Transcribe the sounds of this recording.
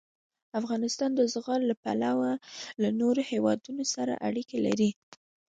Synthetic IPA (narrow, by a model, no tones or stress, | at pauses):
afɣɑnɪst̪ɑnd̪əzɣɑllapa̰lawalanoɾohewɑ̰d̪unosaɾa̰ʔaɽikela̰ɾi